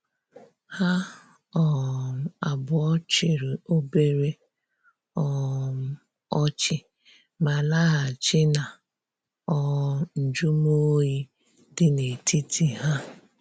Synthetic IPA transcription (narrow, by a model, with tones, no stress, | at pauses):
ha˦ | ɔ˨a˨bʊ˨ɔ˦t͡ʃɪ˨ɾɪ˨o˦be˦ɾe˦ | ɔ˦ | ɔ˦t͡ʃɪ˦ | ma˨la˦ɦa˨t͡ʃɪ˦na˨ | ɔ˨n̩˨d͡ʒu˦m˦o˦ji˦ | dɪ˦ne˨tʰi˦tʰi˦ɦa˦